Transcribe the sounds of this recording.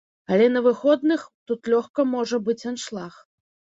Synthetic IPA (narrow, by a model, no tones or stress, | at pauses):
ɐlʲɛnɐvɨxɔd̪nɨxt̪ut̪lʲɔxkɐmɔʐɐbɨt͡sʲanʂlˠax